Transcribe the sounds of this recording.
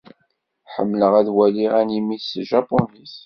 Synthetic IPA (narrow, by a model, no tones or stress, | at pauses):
ħə̰mːləʁæðwæliʁænimiθsʒɑponis